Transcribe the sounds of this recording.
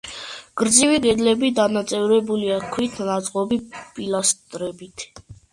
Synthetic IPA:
ɡ̥ɾd̪ziwiɡɛd̪lɛbid̪anat̪sʼɛvɾɛbuliakʰwit̪ʰnat̪sʼqʼɔbipʼilast̪ʼɾɛbit̪ʰ

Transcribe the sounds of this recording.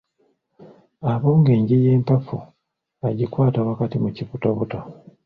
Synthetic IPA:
aβo̞ːŋɡe̞ːɲɟije̞ːmpafu | aɟikwaːtawakatimuciβutoβuto

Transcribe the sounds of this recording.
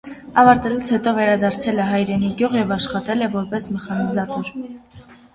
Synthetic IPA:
ɑvɑɾt̪ɛlut͡sʰhɛt̪ɔvɛɾɑd̪ɑɾt͡sʰɛlɛɦɑjɾɛniɡjɔʁjɛvɑʃχɑt̪ɛlɛvɔɾpɛsmɛχɑnizɑt̪uɾ

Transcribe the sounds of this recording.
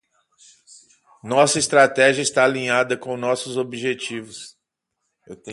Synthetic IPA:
nɔsɐist̪ɾat̪ɛʒiɐɪst̪aːlĩɲad̪ɐkõw̃nɔsʊzobiʒet͡ʃivʊs | ewt̪ẽ

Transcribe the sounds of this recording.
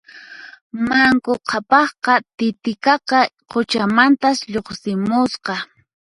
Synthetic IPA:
maŋkoqʰɑpɑχqɑt̪ɪt̪ɪkɑqɑqʰot͡ʃamant̪asʎoχsɪmʊsqɑ

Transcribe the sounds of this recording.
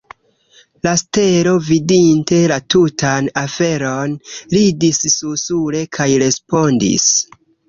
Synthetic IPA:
laste̞ɾo̞vidinte̞latutʰanafe̞ɾo̞nɾidissusuɾe̞kʰajɾe̞spo̞ndḭs

